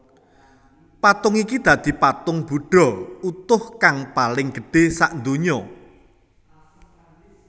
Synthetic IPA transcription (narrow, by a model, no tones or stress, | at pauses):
pat̪ʊŋikid̪̥ä̤d̪̥i̤pat̪ʊŋb̥uɖ̥ɔ̤ut̪ʊhkaŋpalɪŋɡ̥ə̤ɖ̥e̤saʔnd̪oɲɔ